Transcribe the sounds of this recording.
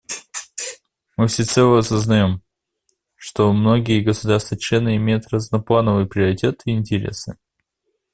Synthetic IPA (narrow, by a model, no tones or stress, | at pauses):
mɨfsʲɪt̪sɛlˠəɐsəznɐjo̞m | ʂt̪o̞mno̞ɡʲɪjəɡəsʊd̪arst̪vət͡ɕlʲe̞nɨɪmʲejʊt̪ɾəznɐplˠanəvɨjpɾʲɪəɾʲɪtʲe̞t̪ɪɪnʲtʲɪɾʲe̞̰sɨ